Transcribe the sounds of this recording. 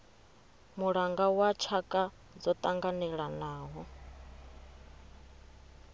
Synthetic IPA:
muɺaŋɡawat͡ʃʰakʼa | d͡zɔt̪ʼaŋɡanɛɺanaːɦɔ

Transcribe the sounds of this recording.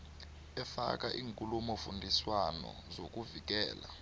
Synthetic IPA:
ɛfa̰k̬aʔiːŋkʼulumɔfundʱiswanɔ̰zok̬ʼuvik̬ɛːla

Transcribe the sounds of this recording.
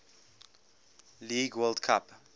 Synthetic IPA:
liːɡwɜldkʰap

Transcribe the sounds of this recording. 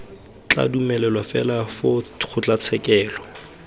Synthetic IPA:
t͡ɬa̰dumɛlɛlwafɛlafʊk͡xʰʊt͡ɬʼat͡sʰɛkʼɛːlɔ

